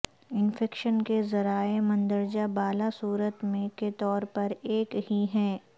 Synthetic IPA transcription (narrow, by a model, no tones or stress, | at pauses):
ɪnfɛːkʃənkezɐɾaːemɐ̃nd̪əɾd͡ʒabaːlasuːɾət̪mẽket̪ɔːɾpɐɾeːkhiɦɛː